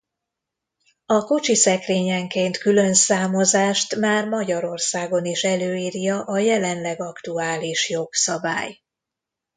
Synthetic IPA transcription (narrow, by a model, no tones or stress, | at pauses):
ɒkot͡ʃisɛkreːɲɛŋkeːnt̪kylø̞nsaːmo̞zaːʃt̪maːrmɒɟɒɾo̞rsaːɡo̞niʃɛløːiːrjɒʔɒjɛlɛnlɛɡɒkt̪uaːliʃjo̞ksɒba̰ːj